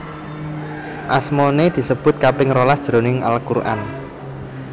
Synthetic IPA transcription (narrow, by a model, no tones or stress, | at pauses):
ʔasmoned̪̥i̤səb̥ʊ̤t̪̚kapɪŋrolasd̥ʒ̥ɾo̤nɪŋa̰lkurʔa̰n